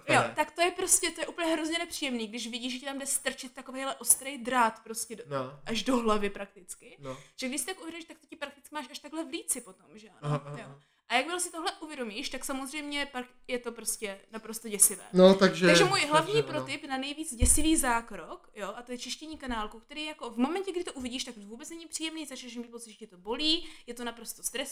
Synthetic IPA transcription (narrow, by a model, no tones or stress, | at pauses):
jot̪akt̪ojɛpɾo̞scɛt̪ojɛʔuːpl̩ɲɛɦɾozɲɛnɛpr̝̥iːjɛmniːɡdɪʃvɪɟiːʒɛcɪt̪amdɛst̪r̩t͡ʃɪt̪̚ːakovejɦlɛʔo̞st̪ɾejd̪ɾat̪pɾo̞scɛʔaʒdo̞ɦlavɪpɾak̚t̪ɪt͡skɪʒ̥ɛɡdɪʃsɪt̪akʔuvjɛdomiʃt̪akt̪ocɪpɾak̚t̪ɪ̥t͡skɪmaːʃaʃt̪aɡlɛvliːt͡sɪpo̞t̪omʒɛanjo | ʔajakmɪlosɪt̪o̞ɦlɛʔuvjɛdo̞miːʃt̪aksamozrɛjmɲɛpak | jɛt̪o̞pɾo̞scɛnapɾo̞st̪oɟɛsɪvɛ̰ːnot̪aɡʒɛaɡʒɛmuːjɦlavɲiːpɾot̪ɪpnanɛjviːd͡zɟɛsɪviːzaːkɾo̞kjo̞ʔat̪o̞jɛt͡ʃɪʃcɛɲiːkanaːlkokt̪ɛɾiːjjako̞vmo̞mɛncɛɡdɪt̪oʔuvɪɟiːʃt̪akvuːbɛt͡snɛɲɪpr̥iːjɛmniːzat͡ʃnɛʃmmit̪po̞t͡sɪt̪ʒɛcɪt̪o̞bo̞liːjɛt̪onapɾo̞st̪o̞st̪ɾɛs